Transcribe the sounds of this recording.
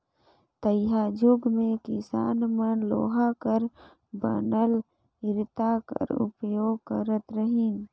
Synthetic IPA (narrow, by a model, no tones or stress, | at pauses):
t̪əjɦad͡ʒʊɡmẽkɪsa̰ːnmənlo̰ːɦakəɾ | bə̰nəl | ɪɾt̪akə̰ɾʊ̰pjoːɡ̚kəɾət̪ɾəɦin